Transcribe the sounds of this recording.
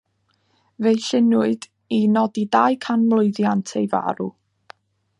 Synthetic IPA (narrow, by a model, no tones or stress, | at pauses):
vejɬɪnʊɨd | inɔdidajkʰanmlˠʊɨðjantʰejva̰ɾṵ